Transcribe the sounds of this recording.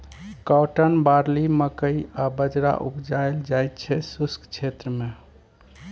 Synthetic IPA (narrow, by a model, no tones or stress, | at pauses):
kawʈənbaɾliməkəjabəd͡ʒɾa̰ʔṵpd͡ʒajld͡ʒajt̪t͡ʃʰɛsuskt͡ʃʰet̪ɾəme